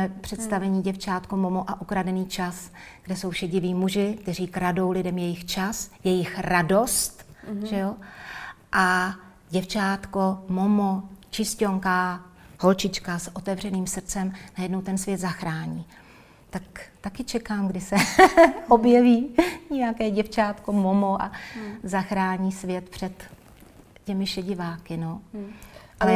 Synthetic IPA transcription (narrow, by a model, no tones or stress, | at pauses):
ɛpr̝̥ɛt̪st̪avɛɲiːɟɛft͡ʃaːt̪komomoʔaʔukɾadɛniːt͡ʃasɡ̥dɛso̞wfʃɛɟɪviːmuʒɪk̚t̪ɛɾiːkɾado̞wlɪdɛmjɛjɪxt͡ʃasjɛjɪxɾado̞st̪ʒɛjo | ʔa | ɟɛft͡ʃaːt̪ko̞momot͡ʃɪscoŋkaho̞lt͡ʃɪt͡ʃkasʔot̪ɛvr̝ɛniːmsr̩t͡sɛmnajɛdnowt̪ɛnsvjɛt̪zaxɾaːɲiː | t̪akt̪akɪt͡ʃɛkaːmɡdɪsɛʔobjɛviːɲɛjakɛːɟɛft͡ʃaːt̪ko̞momoʔa̰zaxɾaːɲiːsvjɛt̪pr̝̥ɛt̪ | cɛmɪʃɛɟɪvaːkɪno | ʔalɛ